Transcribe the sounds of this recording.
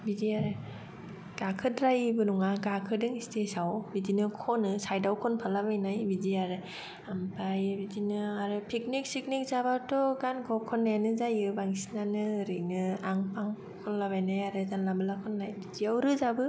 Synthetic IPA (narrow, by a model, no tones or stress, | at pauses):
bidiaɾɯ | ɡ̥akʰɯdɾajɯbɯnuŋaɡakʰɯdɯŋistʰesawbidinɯkʰɔnɯsajdawkʰɔnpʰalabajnajbidiaɾɯ | ampajbidinɯaɾɯpʰik̚nik̚sik̚nik̚zabatɔɡankʰɔkʰɔnːajanɯzajɯbaŋisinanɯɾɯnɯaŋpaŋ | kʰɔnlabajnajaɾɯzanlambɯlakʰɔnːajbidiawɾɯzabɯ